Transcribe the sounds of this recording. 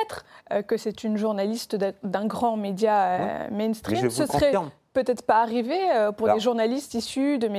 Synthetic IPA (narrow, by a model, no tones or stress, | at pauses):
ɛt̪χøkəsɛt̪ynʒuʁnalist̪d̪ɛ̃ɡʁɑ̃med̪jaømɛjnst̪χimsəsʁɛpøt̪ɛt̪χpaːʁiveøpuʁd̪eʒuʁnalist̪isyd̪əme